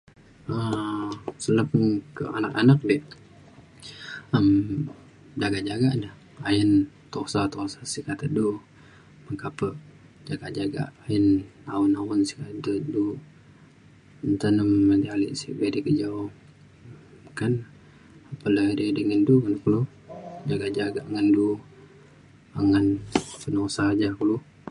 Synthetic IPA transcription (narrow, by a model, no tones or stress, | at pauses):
ə | sələpnkə̰a̰nakanak̚dɛʔ | əm | d͡ʒaɡaʔd͡ʒaɡanəh | ajənt̪osat̪osasikat̪ədu | məŋkapəʔ | d͡ʒaɡaʔd͡ʒaɡa̰ʔːjənawənawənsi̥kat̪dədu | ənt̪anəmːədialḭʔsḭbedikəd͡ʒaw | mkan | apələdidəŋənduŋankulu | d͡ʒaɡaʔd͡ʒaɡaʔŋəndu | aŋənpənosad͡ʒakulu